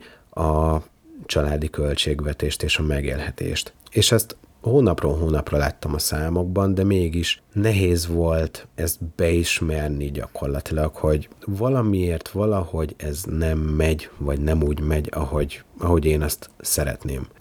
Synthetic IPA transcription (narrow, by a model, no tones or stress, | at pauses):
ɒ | t͡ʃɒlaːd̪ikø̞lt͡ʃeːɡʋɛt̪eːʃt̪eːʃɒmɛɡeːlhɛt̪ḛːʃt̪eːʃɛst̪ | hoːnɒproːlɦoːnɒprola̰ːt̪ːɒmɒsaːmo̞ɡ̚bɒnd̪ɛmeːɡiʃnɛɦeːzʋo̞lt̪ɛst̪bɛiʃmɛrniɟɒ̰ko̞rlɒt̪ilɒkho̞ɟvɒlɒmieːrt̪ʋɒlɒho̞ɟɛznɛmːɛɟvɒɟnɛmuːɟmɛɟɒhoɟɒɦo̞ɟeːnɒst̪sɛɾɛ̰t̪nḛːm